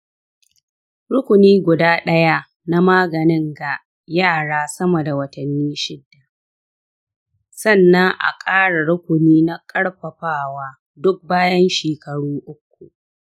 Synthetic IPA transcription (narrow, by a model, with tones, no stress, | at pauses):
ɽʊ˦kʷʊ˨niː˦ɡʷʊ˨daː˦ɗɐ˦ja˦ | na˦maː˦ɡɐ˨nɪ˦ŋɡa˨ | jaː˦˨ɽaː˦sɐ˦mɐ˨da˨wɐ˦tɐ˨nːiː˦ʃɪ˦dːa˨ | sɐ˦˨nːɐ˦ŋʔa̰˨kʼaː˦ɽa˨ɽʊ˦kʷʊ˨niː˦na˦kʼɐ˦ɽɸɐ˨ɸaː˦˨waː˦ | dʊ˦k̚baː˦jɐ˦nʃeː˨kɐ˨ɽuː˦ʔʊ˦k̚ʷːṵ˨ʔ